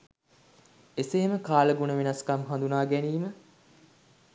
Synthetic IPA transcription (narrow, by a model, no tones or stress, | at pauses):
eseɦeməkaːləɡunəʋenɐskɐmɦand̪unaːɡæniːmə